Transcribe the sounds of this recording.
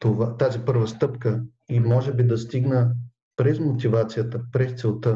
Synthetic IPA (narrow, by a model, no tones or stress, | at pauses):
t̪ovat̪azipɤɾvəst̪ɤpkə | imɔʒɛbid̪ɐst̪iɡnə | pɾɛzmot̪ivat̪sijət̪əpɾɛst̪sɛlˠt̪ə